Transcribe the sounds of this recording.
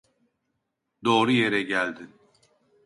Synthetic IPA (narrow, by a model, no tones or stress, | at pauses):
d̪o̞ːɾuje̞ɾɛɟælʲd̪ɪ